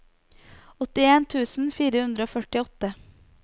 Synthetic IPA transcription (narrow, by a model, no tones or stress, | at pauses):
ɔt̪ɪeːnt̪ʰʉːsn̩fiːɾəhʉnd̪ɾəoːfœʈɪɔt̪ə